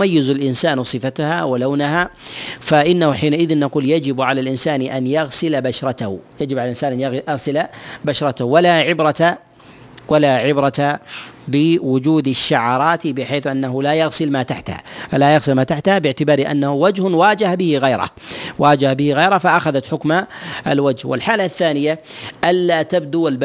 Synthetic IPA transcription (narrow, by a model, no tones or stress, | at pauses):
majːɪzalʔɪnsaːnsˤɨfat̪ahawalawnaɦafaʔɪnːahʊħiːnaʔɪðɪnːaquːljad͡ʒɪbʕalalʔɪnsaːnʔanjaɣsɪlabaʃɾˤɑt̪ahjad͡ʒɪbʕalalʔɪnsaːnʔanjaaɣsɪlabaʃɾˤɑt̪ahwalaʕɪbɾˤɑt̪a | walaʕɪbɾˤɑt̪abɪwʊd͡ʒuːd̪aʃːaʕɑːɾˤɑːt̪bɪħeːθʔanːaɦʊlajaɣsɪlmaːt̪aħt̪ha̰falajaɣsɪlmaːt̪aħt̪habɪʕt̪ɪbaːɾiʔa̰nːahuwad͡ʒhʊwaːd͡ʒahbɪhɪɣajɾˤa̰hwaːd͡ʒahbɪhɪɣajɾˤahfaʔaxaðat̪ħʊkmaʔa̰lwad͡ʒhwɪ̰lħaːlaθːaːnɪjaʔalːat̪ab̚d̪ualb